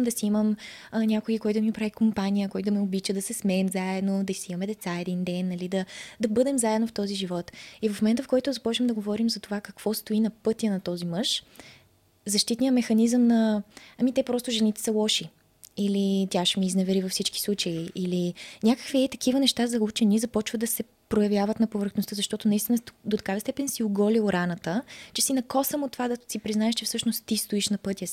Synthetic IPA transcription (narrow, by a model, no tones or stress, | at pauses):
md̪ɐsiiməmnʲakoikɔjt̪̬ʊmipɾavikompanijəkɔjt̪ʊmɛobit͡ʃəd̪ɐsɛsmɛɛmzaɛd̪nod̪ɐisiimɐmɛd̪ɛt̪saɛd̪ind̪ɛnːɐlid̪ɐd̪ɐbɤd̪ɛmzaɛd̪noft̪ɔziʒivɔt̪ivɐfmomɛnt̪əfkɔjt̪ʊzɐpɔt͡ʃɛmd̪ɐɡovɔɾimzɐt̪ovakɐkv̥ɔst̪oinɐpɤt̪iənɐt̪ɔzimɤʃ | zɐʃt̪it̪nijəmɛxɐnizəmnɐɐmit̪ɛpɾɔst̪ʊʒɛnit̪ɛ̥sɐlˠɔʃi | ilit̪jaʃɛmiːznɛvɛɾivɐfsit͡ʃki̥slˠut͡ʃəiʔːlinʲakə̥kviɛt̪ɐ̥k̟ivənɛʃt̪azɐut͡ʃɛnizɐpɔt͡ʃvəd̪ɐsɛ | pɾojɐvʲjavət̪nɐpovəɾxnost̪əzɐʃt̪ɔt̪ʊnɐist̪inəd̪ot̪ɐ̥kavəst̪ɛpɛnsioɡɔlilɾanət̪ət͡ʃɛsinɐkɔsəmot̪ːovad̪ɐsipɾiznaɛʃt͡ʃɛfsɤʃnost̪ːist̪oiʃnɐpɤt̪ʲjə